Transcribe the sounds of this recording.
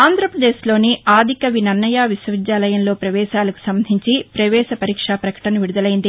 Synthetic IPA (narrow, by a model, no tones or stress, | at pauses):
aːnd̪ʱɾɐpɾɐd̪eːʃlo̞ːniaːd̪ʱikɐʋinɐnːɐjaːʋisʋɐʋid͡ʒaːlɐjɐnlo̞ːpɾɐʋɛːʃaːlɐku̥sɐmbɐd̪ʱiɲt͡ʃipɾɐʋɛːʃɐpɐɾiːkʂaːpɾɐkɐ̥ʈɐnɐʋiɽud̪ɐlɐjind̪i